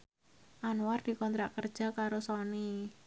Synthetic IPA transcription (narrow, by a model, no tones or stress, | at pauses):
ʔanward̪̥i̤kɔnt̪ɾaʔkərd̥ʒ̥a̤kaɾosɔni